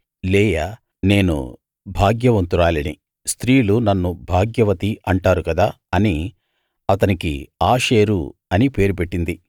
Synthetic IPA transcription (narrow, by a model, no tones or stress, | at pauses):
lɛːjɐ | ne̞ːnṵ | bʱaːɡjɐʋɐnt̪uɾaːlɐnḭ | st̪ɾiːulunɐnːubʱaːɡjɐʋɐt̪iɐɳʈaːɾukɐd̪aː | ɐni | ɐt̪ɐnikḭaːʂe̞ːɾṵɐnipe̞ːɾupe̞ʈːind̪i